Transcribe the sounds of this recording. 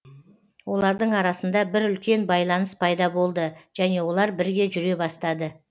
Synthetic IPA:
wo̞lˠɑɾd̪əɴɑɾɑsənd̪ɑbɪɾʏlkʲe̞nbɑjlˠɑnəspʰɑjd̪ɑbo̞lˠd̪əʒ̥æne̞wo̞lˠɑɾbɪɾɡʲe̞ʒʏɾe̞bɑst̪ɑd̪ə

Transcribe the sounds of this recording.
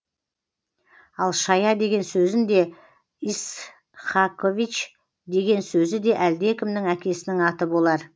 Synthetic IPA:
ɑlˠʃɑjɑd̪e̞ɡʲe̞nsɵzɪnd̪e̞ | is | χɑkʰovit͡ʃ | d̪e̞ɡʲe̞nsɵzɪd̪e̞ʔæld̪e̞kʲʰɪmnɪŋækʲe̞sɪnɪŋɑt̪əbo̞lˠɑɾ

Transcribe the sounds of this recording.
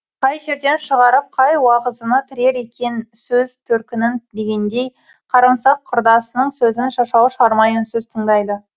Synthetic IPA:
qʰɑjʒe̞ɾd̪e̞nʃəʁɑɾəp̚qʰɑjwɑʁəzənət̪ʰɪɾe̞ɾe̞kʲe̞nsɵzt̪ʰɵɾkʲɪnɪnd̪e̞ɡʲe̞nd̪e̞j | qʰɑɾɑɴsɑqʰːʊɾd̪ɑsənəɴsɵzɪnʃɑʃɑwʃɑɾmɑjənsɵzt̪ʰəɴd̪ɑjd̪ə

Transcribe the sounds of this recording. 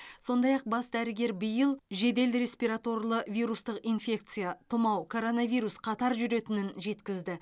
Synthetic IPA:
so̞nd̪ɑjɑq̚bɑsd̪æɾɪɡʲe̞ɾbɪjəlˠʒe̞d̪e̞lɾe̞spiɾat̪o̞rlˠəvʲijɾust̪əqijnfʲe̞k̚t̪sɨjat̪ʰʊmɑwkʰo̞ɾo̞navʲijɾusqʰɑt̪ɑɾʒʏɾe̞t̪ɪnɪnʒe̞t̪kʲɪzd̪ɪ

